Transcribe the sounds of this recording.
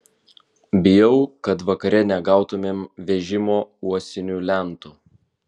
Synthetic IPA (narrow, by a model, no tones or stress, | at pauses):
bʲɪjɛʊkɐt̪ʋɐkɐɾʲɛnʲɛɡɑˑʊt̪ʊmʲeːmʋʲɛʒʲɪmoːuɔsʲɪnʲuːlʲæˑnt̪u